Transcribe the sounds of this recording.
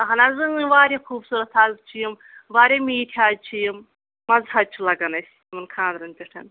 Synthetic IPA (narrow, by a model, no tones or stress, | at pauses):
ɐɦɐnazɨɨʋaːɾʲiexʰuːbsuːɾɐt̪ʰaːl̚t͡ʃʰijim | ʋaːɾʲemiːʈʰjaːd̚t͡ʃʰijim | mɐzɦɐd̪̚t͡ʃʰulɐɡɐnɐsʲ | mɐnkʰãːnd̪ɾɐnt̪ʲiʈʰɐ̰n